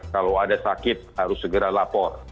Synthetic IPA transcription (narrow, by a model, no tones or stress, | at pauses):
kalawadasakɪt̪̚haɾʊsːəɡəɾalapɔr